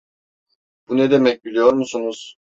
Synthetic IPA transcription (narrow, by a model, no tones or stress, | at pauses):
b̥unɛd̪emɛc̚bilʲijo̞ɾmusunuz̥